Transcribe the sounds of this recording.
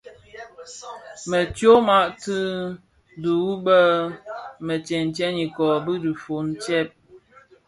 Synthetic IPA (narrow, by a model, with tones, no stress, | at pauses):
mə˨tjo˦ma˦ʔtɨ˦ | du˨u˦bə˦ | mə˨t͡ʃɛ˨n˨tɛ˦ni˨kɔ˨bɨ˦di˨fo˨˦n˦t͡ʃɛ˦p̚